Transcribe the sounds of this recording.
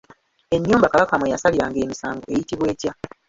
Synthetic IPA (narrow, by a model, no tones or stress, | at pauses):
e̞ɲːuːmbakaβakamwejasaliɾaːŋɡe̞ːmisaːŋɡo̞̰ʔe̞jitiβwe̞ːcja